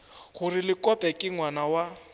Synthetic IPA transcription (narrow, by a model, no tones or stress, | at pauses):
ɣurilɪkʼɔpʼɛkʼɪŋwanawa